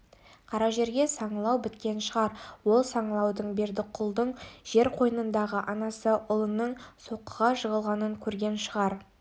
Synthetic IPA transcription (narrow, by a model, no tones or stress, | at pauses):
qʰɑɾɑʒe̞ɾɡʲe̞sɑɴlˠɑwbɪt̪kʲe̞nʃəʁɑɾwo̞lˠsɑɴlˠɑwd̪əɴbe̞ɾd̪ɪqʰʊlˠd̪əɴʒ̥e̞ɾqʰo̞jənənd̪ɑʁəʔɑnɑsəʔʊlˠənːəɴso̞qːəʁɑʒəʁəlˠʁɑnəŋkʲʰɵɾɡʲe̞nʃəʁɑɾ